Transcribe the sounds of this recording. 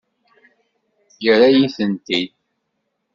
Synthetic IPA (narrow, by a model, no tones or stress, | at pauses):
jəɾajiθənt̪id̪̚